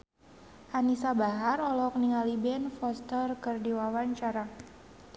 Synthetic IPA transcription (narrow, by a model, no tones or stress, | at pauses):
hanisabaɦarɔlɔk̚niŋalibɛnfɔst̪ərkərdiwawaɲt͡ʃaɾa